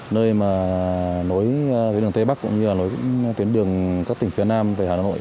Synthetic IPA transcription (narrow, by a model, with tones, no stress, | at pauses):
nəː˧jmaː˨˩no˨˦j̪ɗɨ˨˩ŋt̪e˧ɓa˦˥kʊ̰˧˥ŋ͡mɲɨ˧laː˨˩no˨˦jt̪wi˨˦nɗɨ˨˩əŋkaː˦˥k̚t̪ï˨˩ŋ̟fi˨˦ənaː˧mvaː˨˩haː˨˩˨aː˧˨o̰˧˨j